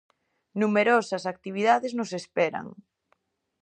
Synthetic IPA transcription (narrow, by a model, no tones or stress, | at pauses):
numeɾɔsɐsak̚t̪iβ̞iðaðeznʊsespɛɾɐ̰ŋ